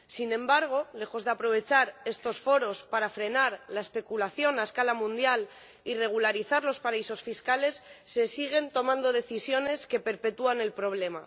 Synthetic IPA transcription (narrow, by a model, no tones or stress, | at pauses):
sinẽ̞mbaɾɣ̞o̞le̞xo̞zðe̞apɾo̞βe̞t͡ʃaɾe̞st̪o̞sfo̞ɾo̞spaɾafɾe̞naɾlae̞spe̞kulaθjo̞naeskalamũnd̪jal | ire̞ɣ̞ulaɾiθaɾlo̞spaɾaiso̞sfiskale̞sːe̞siɣ̞e̞nt̪o̞mãnd̪o̞ð̞e̞θisjo̞ne̞ske̞pe̞ɾpe̞t̪uane̞lpɾo̞βle̞ma